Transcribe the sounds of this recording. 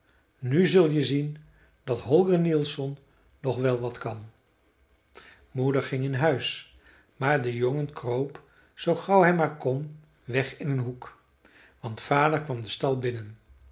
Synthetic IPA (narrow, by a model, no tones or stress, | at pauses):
nyzɵlˠjəzin | dɑtɦɔlˠɡənilˠsɔnː | ɔχʋɛlˠʋɑtkɑn | mudəɹχɪŋɪnɦœɥs | maːɹdəjoŋənkrowp | z̥owχɑwɦɛjmaːɹkɔn | ʋɛχɪnənɦuk | ʋɑntfaːdəɹkʋɑmdəstɑlˠbɪnən